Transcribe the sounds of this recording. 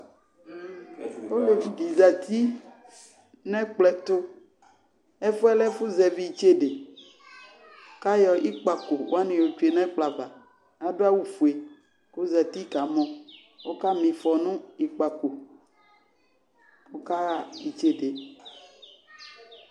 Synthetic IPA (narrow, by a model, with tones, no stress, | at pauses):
wo˦le˨bi˨za˨t̪i˦ | nɛ̃˦k͡plɛ˨t̪o˦ | ɛ˦fu˦ɛ˦lɛ˦fu˦zɛ˨vi˦˨t͡ʃe˦ɖe˨ | o˦ka˦jɔ˨ʔi˦k͡pa˨ko˨wo˦a˦nẽ˨jo˨t͡ʃu˦e˨nɛ̃˦k͡pla˨va˨ | a˦ɖo˦a˦wu˨fu˨e˨ | ko˦za˨t̪i˦ka˨mɔ̃˦ | wo˦ka˦mĩ˨fɔ˨nũ˦i˨k͡pa˨ko˨ | wo˦ka˦a˦i˨t͡ʃe˦ɖe˨